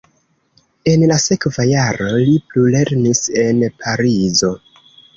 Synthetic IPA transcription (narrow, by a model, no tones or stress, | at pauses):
e̞nlase̞kvajaɾo̞liplule̞ɾnise̞npʰaɾizo̞